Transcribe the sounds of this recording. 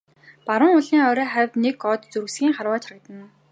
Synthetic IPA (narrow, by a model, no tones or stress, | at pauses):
paɾʊ̆ŋʊɮiːŋœːɾœːχæwʲt̪nekɔt̪t͡sɵrɣsɡʲiːŋχarwaːt͡ɕʰak̚t̪ə̆n